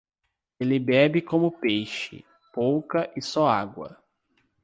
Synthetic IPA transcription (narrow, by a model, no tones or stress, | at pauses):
elɪbɛbɪkõmʊpejʃɪ̰ | powkɐʔɪsɔaɡwɐ̰